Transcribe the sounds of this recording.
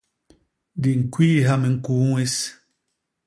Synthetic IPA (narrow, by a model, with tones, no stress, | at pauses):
di˨ŋ̩˨kwiː˦ɦa˦mẽ˨ŋ̩˨ku˨˦ŋe˦s